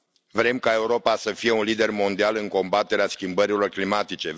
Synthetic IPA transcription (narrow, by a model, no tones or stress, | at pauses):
vɾe̞mkae̞uɾo̞pasəfije̞unlid̪e̞rmo̞nd̪ialɨŋko̞mbat̪e̞ɾeaskʲimbəɾilo̞rklimat̪it͡ʃe̞